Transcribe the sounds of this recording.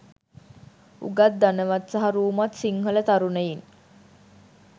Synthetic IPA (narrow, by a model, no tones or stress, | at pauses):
ṵɡat̪̚d̪anəʋat̪saɦaɾuːmat̪siŋɦələt̪aɾunəjin